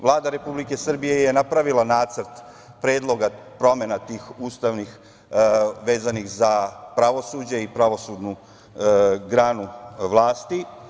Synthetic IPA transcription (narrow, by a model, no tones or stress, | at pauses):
ʋlˠaːd̪aɾe̞publike̞sr̩bije̞jenapɾaʋilˠanaːt̪səɾt̪ | pɾe̞ːd̪lˠo̞ɡapɾo̞me̞nat̪iːxuːst̪aʋnix | ʋe̞ːzanixzapɾaʋo̞suːd͡ʑeipɾaʋo̞suːd̪nu | ɡɾaːnuʋlˠaːst̪i